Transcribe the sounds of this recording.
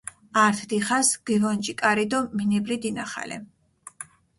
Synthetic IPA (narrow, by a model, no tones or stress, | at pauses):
aɾt̪ʰd̪iχasɡ̥ivɔnd͡ʒʼikʼaɾid̪ɔminɛblid̪inaχa̰lɛ̰